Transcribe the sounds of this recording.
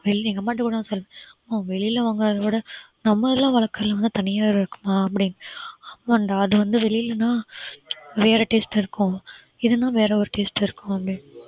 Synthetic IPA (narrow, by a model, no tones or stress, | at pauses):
ʋɛɭɪniːŋɡɐmːaːʈ̬ːɯkuːɽɐãːsɔlʋẽmːaːʋɛɭɪɪlɐʋaːŋɡɐɾðɐʋoːɽɐ | nɐmːɐɪlːãːʋɐɭɐkːɐɐlɐʋɐnd̪ɯt̪ɐnɪjaːɪɾɯkːɯ̥maːɐpːɐɽɪnːɯɐmːɐɳɖaɐðɯʋɐnd̪ɯʋɛɭɪjɪlːɐnãː | ʋeːɾɐʈeːsʈɪɾɯkːʊ̃ | ɪðɯnãːʋeːɾɐɔɾɯʈeːsʈɪɾɯkːʊ̃ɐpːɐɽɪnː